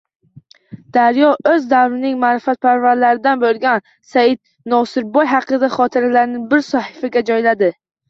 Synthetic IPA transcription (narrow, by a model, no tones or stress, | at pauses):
d̪̥aɾjɒʔɵzd̪awɾɪnɪŋmaːɾɪfat̪̚pʰaɾvaɾlaɾɪd̪anbɵlˠɡʲan | sajɪd̪̚ | nɒsɪɾbɒjɦɑqʰɨd̪aχɒt̪ʰɪɾalaɾnɪbɪɾsɒhɪfaɡʲad͡ʒɒjlad̪ɪ